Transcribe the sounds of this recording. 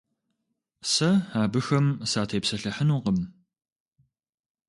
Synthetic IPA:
sɐaːbɨxɐmsaːtʰeːpsɐɬɐħənuːqəm

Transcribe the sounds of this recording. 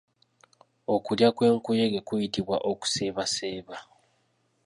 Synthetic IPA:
o̞kuljakwe̞ːŋkuje̞ɡe̞kujitiβwa̰ʔoku̥se̞ːβase̞ːβa

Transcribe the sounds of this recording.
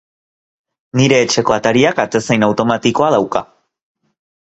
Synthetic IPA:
niɾe̞ːt͡ʃe̞ko̞at̪aɾiakat̪e̞sejnawt̪o̞mat̪iko̞að̞awka

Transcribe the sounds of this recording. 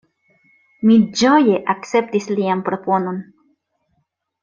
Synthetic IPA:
mid͡ʒo̞je̞ʔak̚t͡se̞p̚tislianpɾo̞po̞no̞n

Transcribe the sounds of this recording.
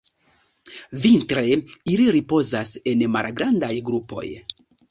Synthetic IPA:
vintɾe̞iliɾipo̞zase̞nma̰lɡɾandajɡɾupo̞̰j

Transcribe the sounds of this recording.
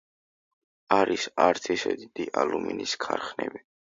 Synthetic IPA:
aɾisaɾt̪ʰisɛd̪id̪̥iʔaluminiskʰaɾχnɛ̰bi

